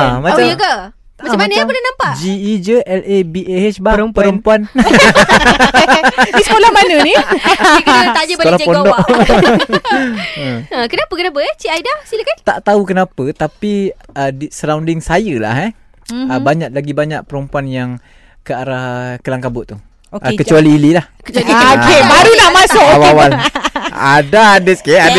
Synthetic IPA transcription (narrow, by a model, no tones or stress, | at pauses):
amat͡ʃaəɡa | maamːanəapədanampaʔd͡ʒiːd͡ʒəʔɛlʔebieɛt͡ʃbaəɾəpəɾəmpuan | disəkolahmanənik̪aʔd͡ʒəbakalapondɔʔ | əəkənapəkənapəɛt͡ʃiajdasiləkant̪aʔt̪aukənapət̪apiədisəɾawndɪŋsajəla̰ɦɛ | əbaɲaʔ̚laɡibaɲaʔ̚pəɾumpuanjaŋ | kəaɾakəlaŋkabʊʔt̪ːu | ʔəkət͡ʃualiːlilah | kebaɾunaʔmasʊawawal | a̰daadəskead